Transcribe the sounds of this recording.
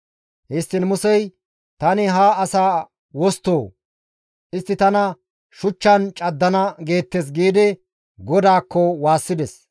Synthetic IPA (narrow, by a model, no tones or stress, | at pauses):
hɪst̪ːɪnmʊsɛj | t̪ɐnɪɦaːɐsaː | wɔst̪oː | ʔɪst̪ːɪt̪ɐnɐ | ʃʊt͡ʃːɐnt͡ʃʼɐd̪ːɐnɐɡe̞ːt̪ːɛs̬ɡiːd̪ɪ | ɡɔd̪aːkːɔwaːsːɪd̪ɛs